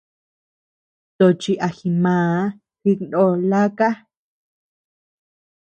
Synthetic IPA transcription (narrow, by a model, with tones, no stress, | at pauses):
t̪o˧˨t͡ʃi˧ʔa˨xi˧mãː˨˦ | xi˧nd̪o˧la˦ka˦